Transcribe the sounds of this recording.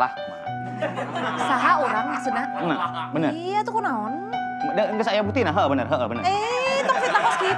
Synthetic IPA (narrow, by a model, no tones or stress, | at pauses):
la̰h | saɦaoɾaŋaʔsənanabənərijat̪ukunaɔn | dəŋɡəsajaput̪inaɦəbənərɦəʔbənəret̪ɔŋfit̪aŋaski